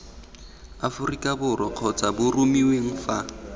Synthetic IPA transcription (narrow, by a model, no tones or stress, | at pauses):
afʊrikʼabʊrɔq͡χʰɔt͡sʼabʊrumiweŋ̩fa